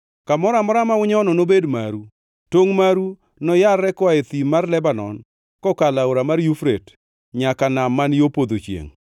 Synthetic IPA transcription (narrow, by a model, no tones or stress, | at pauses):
kamɔɾamɔɾamaʊɲɔnɔnobedmaɾu | toŋmaɾu | nɔjarɛkwaet̪imarlɛbanɔ̰n | kɔkalaoɾamaɾjufɾet | ɲakanamːanjopod̪ot͡ʃjḛŋ